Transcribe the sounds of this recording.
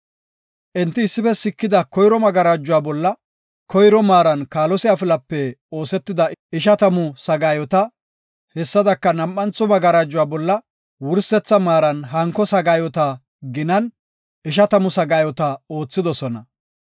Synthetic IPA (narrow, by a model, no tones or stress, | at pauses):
ʔɛnt̪ːɪːsːɪfɛsɪkːɪd̪ɐkɔjɾɔmɐɡɐɾaːd͡ʒːʊwaːbɔlːɐ | kɔjɾɔmaːɾɐnkaːlɔsɪjaːfɪlɐpːɛo̞ːsɛt̪ːɪd̪ɐɪʃɐt̪ɐmʊsɐɡaːjɔt̪ɐ | hɛsːɐd̪ɐkːɐnɐmʔːɐnt͡sːɔmɐɡɐɾaːd͡ʒːʊwaːbɔlːɐ | wʊɾsɛt͡sːɐmaːɾɐnɦɐŋkːɔsɐɡaːjɔt̪ɐ | ɡɪnɐn | ʔɪʃ̬ɐt̪ɐmʊsɐɡaːjɔt̪ɐo̞ːt͡sːɪd̪ɔsɔnɐ̰